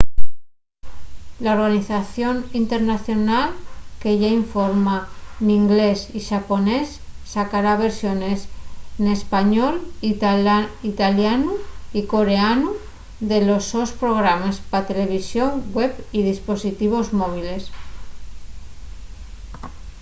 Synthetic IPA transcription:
laoɾɣaniθaθjo̞nint̪e̞ɾnaθjo̞nalkeʝaiɱfoɾmaniŋɡle̞siʃapo̞ne̞sː | akaɾaβ̞e̞ɾsjone̞snespaɲol | it̪aljanuiko̞ɾe̞anu | d̪e̞lo̞sospɾo̞ɣ̞ɾamaspat̪e̞le̞β̞isjo̞ŋɡwepið̞ispo̞sit̪iβ̞o̞zmoβ̞ile̞s

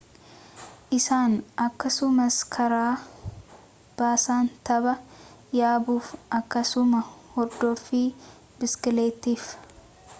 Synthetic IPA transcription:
ʔɪsaːnʔɐkːɐsʊmɐskʰɐɾaː | b̥aːsaːnt̪ɐbɐjaːbuːfʔɐkːɐsʊmɐhɔɾd̪ɔfɪ | bɪskɪleːt̪ːiːf

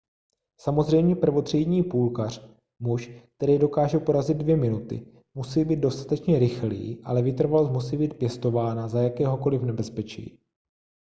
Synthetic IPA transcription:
samo̞zr̝ɛjmɲɛpr̩vo̞t̪r̝̥ɛjɲiːpuːlkar̝̥ | muʃk̚t̪ɛɾiːdo̞kaːʒɛpo̞ɾazɪd̪̚dvjɛmɪnut̪ɪ̰ | musiːbiːd̪̚do̞st̪ḁt̪ɛt͡ʃɲɛɾɪxlḭːʔa̰lɛvɪt̪r̩valosmusiːbiːt̪̚pjɛst̪o̞vaːnazajakɛːɦo̞ko̞lɪfnɛbɛspɛt͡ʃḭː

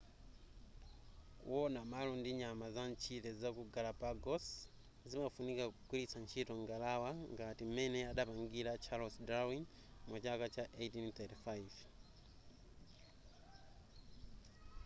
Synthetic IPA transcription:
kṵwɔnamalɔndiɲamazant͡ʃʰitɛzakuɡalapaɡɔs | zimafunikakukwilisant͡ʃʰitɔŋɡalawaŋɡatim̩mɛnɛaɗapaŋɡiɾat͡ʃʰalɔsdɾawiŋ | mwat͡ʃakat͡ʃaʔejtinθɛtifajv

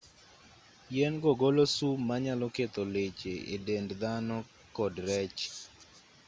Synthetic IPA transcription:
jɛnɡoɡolosumaɲalɔket̪ɔlet͡ʃeḛdendd̪anɔ | kɔdɾɛt͡ʃ

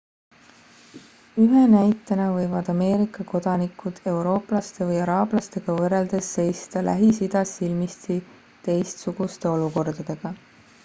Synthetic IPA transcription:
yɦe̞næjt̪ːˑɑnɑvɤjvɑd̪̥ɑme̞ːɾikːˑɑko̞d̪̥ɑnikˑud̪̥e̞wɾo̞ːplɑst̪e̞vɤjɑɾɑːblɑst̪e̞ɡ̥ɑvɤre̞ld̪̥e̞sːe̞jst̪ɑlʔæ̰ɦisid̪̥ɑsilmist̪i | t̪e̞jst̪suɡ̥ust̪e̞o̞luko̞rd̪̥ɑd̪̥e̞ɡ̥ɑ

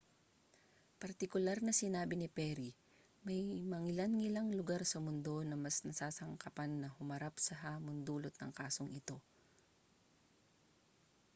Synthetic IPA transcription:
pɐɾt̪ɪkʊlaɾnɐsɪnaːbɪnɪpɛɾi | mɐjmɐŋɪlanŋɪlaŋlʊɡaɾsɐmʊnd̪o̞nɐmɐsnɐsaːsɐŋkɐpanːɐhʊmɐɾapsɐɦaːmʊnd̪uːlot̪̚nɐŋkaːsoŋʔɪt̪o̞

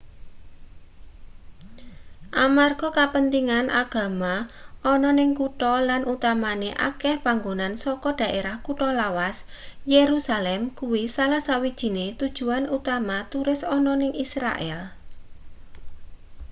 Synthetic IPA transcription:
ʔamarɡ̥ɔ̤kapənt̪iŋanʔa̰ɡ̥ä̤maɔnɔnɪŋkuʈɔlanʔut̪amaneʔa̰kɛhpaŋɡonansɔkɔɖ̥ä̤ʔeɾahkuʈɔlawas | jeɾusalɛmkuwisalasawid̥ʒ̥i̤net̪ud̥ʒ̥ṳanut̪amat̪uɾɪsɔnɔnɪŋʔisɾa̰ʔɛ̰l

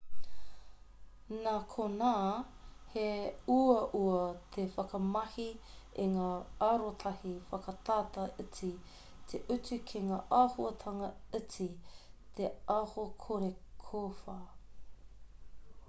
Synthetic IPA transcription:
nakʰonaː | heuɐʔuɐt̪ʰefɐkɐmɐhi | iŋaːaɾot̪ʰɐhifɐkɐt̪aːt̪ɐʔət͡si | t̪ʰeʔut͡sukʰeŋaːʔaːhuɐt̪ʰɐŋɐət͡sit̪eahokʰoɾekʰofa

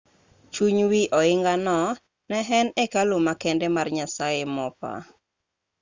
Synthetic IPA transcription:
t͡ʃuɲwiʔɔɪŋɡanɔ | nɛɦɛnɛkalomakɛndɛmarɲasaemɔpa̰

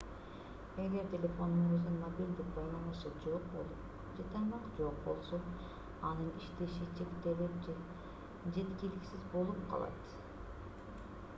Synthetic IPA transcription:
e̞ɡʲe̞ɾt̪ʲe̞lʲe̞fo̞nd̪unøzd̪ynmobʲilʲd̪ik̚bɑjlˠɑnɯʃɯd͡ʒoqbo | d͡ʒet̪ɑjmɑqd͡ʒo̞q̚bo̞̰lˠso̞ | ɑnɯniʃt̪eʃit͡ʃʰekt̪ele | d͡ʒe̞t̪kiliksizbo̞lˠupqʰɑ̰lˠɑ̰t̪

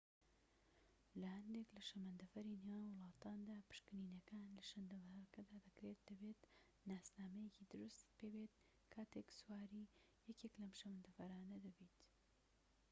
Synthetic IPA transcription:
lɐhɐnd̪eklɐʃɐmɐnd̪ɐfɐɾinewaːnwɨlˠɑːt̪aːnd̪aːpɨ̥ʃkɨniːnɐkaːnlɐʃɐnd̪ɐvɐɾkɐd̪aːd̪ɐkɾet̪̚d̪̥ɐbet̪ | naːsnaːmɐjekiːd̪ɨɾust̪pʰeːbet̪̚ | kʰaːt̪ʰeːksuwaːɾiː | jɛkeklɐmʃɐmɐnd̪ɐfɐɾaːnɐd̪ɐbiːt̪

